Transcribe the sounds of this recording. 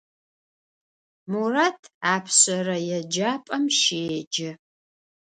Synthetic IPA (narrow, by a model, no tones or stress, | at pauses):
muraːtʰaːpʰɕɐrɐjɛd͡ʒaːpʼɐmʃeːd͡ʒɪ